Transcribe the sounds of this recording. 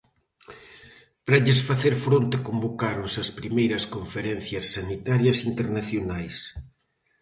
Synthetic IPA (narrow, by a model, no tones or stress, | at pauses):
pɾɐʎesfaθeɾfɾont̪ɪkombokaɾʊsɐspɾimejɾɐskoɱfeɾɛn̟θjɐsːanit̪aɾjɐsint̪eɾnaθjonajs